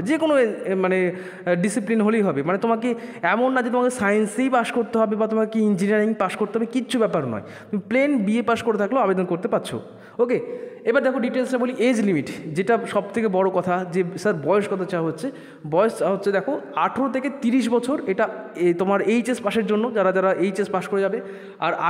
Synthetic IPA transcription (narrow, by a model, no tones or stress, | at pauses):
d͡ʑekonomane | ɖisiplinɦolejɦɔbemanet̪omakeɛmonːad͡ʑet̪omakesajensejpaʃkoɾt̪eɦɔbebat̪omakekiind͡ʑiniaɾiŋpaʃkoɾt̪eɦɔbekitːɕʰubɛpaɾnɔ̰e | t̪omiplenbiepaʃkoɾet̪ʰakloabed̪onkoɾt̪epatːɕʰo̰ | okeebaɾd̪ɛkʰoɖiʈelsʈaboliʔed͡ʑlimiʈd͡ʑeʈaʃɔb̚t̪ʰekebɔɽokɔt̪ʰad͡ʑesaɾbɔeoʃkɔt̪ʰat͡ɕaɦotːɕʰe | bɔeoʃt͡ɕaɦotːɕʰed̪ɛkʰoaʈʰoɾot̪ʰeket̪iɾiʃ̬bɔt͡ɕʰoɾeʈaet̪omaɾejt͡ɕespaʃeɾd͡ʑonːod͡ʑaɾad͡ʑaɾaʔejt͡ɕespaʃkoɾed͡ʑabe | a̰ɾa